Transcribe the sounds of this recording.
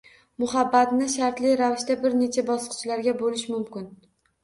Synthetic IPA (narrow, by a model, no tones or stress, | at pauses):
mʊɦabːat̪nɪʃaɾt̪lɪjɾavɪʃt̪abɪɾne̞t͡ʃʰabɒsɨ̥qt͡ʃʰɪlaɾɡʲabolɪʃmʊmkʲɪn